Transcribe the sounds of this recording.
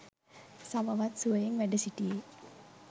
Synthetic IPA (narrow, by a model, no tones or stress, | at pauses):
saməʋat̪suʋɐjeŋʋæɖəsiʈije